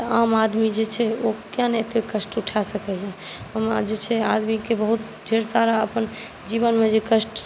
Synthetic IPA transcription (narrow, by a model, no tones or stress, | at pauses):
tt̪əamad̪mid͡ʒet͡ʃʰɛokãnɛt̪ekəsʈuʈʰasəkɛjãəmd͡ʒet͡ʃʰɛad̪mikebəɦut̪ɖʱeɾsaɾaəpən | d͡ʒiβənmed͡ʒekəsʈ